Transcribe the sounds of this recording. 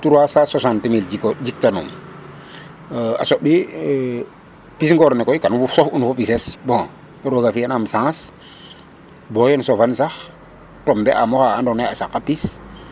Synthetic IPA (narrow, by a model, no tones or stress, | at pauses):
tuɾwasasasãntemild͡ʒikd͡ʒik̚tanṵm | a̰soɓi | pisŋɡɔɾnekɔjkanufusofunfopisesbɔ̃ŋ | ɛɾwoɡafianamsãːs | bojɛnsofansax | tɔmbɛʔamɔxaandɔneasakːapis